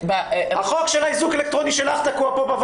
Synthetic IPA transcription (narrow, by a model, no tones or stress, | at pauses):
bhaχokʃelaizukelek̚t̪ʁoniʃelaχt̪akuapobav